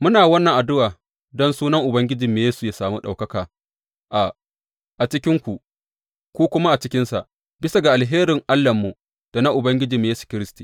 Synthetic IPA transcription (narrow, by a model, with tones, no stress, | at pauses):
mʊ˦naː˨wɐ˦nːɐ˨ŋʔa˨dʊ˦waː˨ | dɔ˦nsuː˦nɐ˦ŋʔʊ˨bɐ˦ŋɡʲɪ˦d͡ʒi˨mːeː˨jeː˦su˨jaː˨saː˨mu˦ɗa˨wkɐ˦kaː˨ | ʔa˨ | ʔa˨t͡ʃɪ˦kʲɪ˦ŋkʷu˨ʔ | kʷuː˦kʷʊ˦ma˦ʔa˨t͡ʃɪ˦kʲɪ˦nsa̰˨ʔ | bɪ˦sa˨ɡa˨ʔa˨lɦeː˦ɾɪ˨ŋʔa˦lːɐ˨mːu˨ | d̥a˨na˦ʔʊ˨bɐ˦ŋɡʲɪ˦d͡ʒiː˨meː˨jeː˦su̥˨kʲɪ˦ɾɪ˦stiː˨